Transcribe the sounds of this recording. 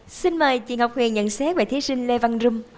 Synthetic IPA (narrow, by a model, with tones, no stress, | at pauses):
si˧nməː˨˩jt͡ɕi˨˩ənhɦwk͡p̚hwi˨˩ənɲə̰˧˨nsɛ˦˥t̚veː˧˩t̪ʰi˨˦si˧ŋ̟le˧va˧nzu˧ŋ͡m